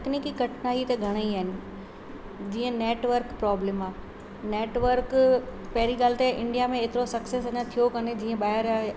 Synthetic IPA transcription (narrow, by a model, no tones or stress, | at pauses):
knikikɐʈʰnaːit̪ɐɡʱɐɽ̃əiaːɦɪnɪ̆ | d͡ʑiːə̃neːʈʋəɾkpɾɔːblemaː | neːʈʋəɾkpɐɦɪɾiɡaːlɪt̪eʔɪ̃ɳɖijamẽeːt̪ɪɾosɐksesɐɲãt̪ʰijokɐned͡ʑiːə̃ɓaːəɾa